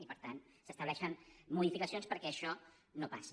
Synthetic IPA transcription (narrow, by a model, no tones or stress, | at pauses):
ipəɾt̪ansəst̪əβlɛʃənmuðifikəsionspəɾkɛːʃɔ | nopas